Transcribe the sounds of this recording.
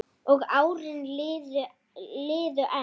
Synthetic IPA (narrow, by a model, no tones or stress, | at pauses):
ɔɣaːwɾɪnlɪːðʏ | lɪːðʏʔa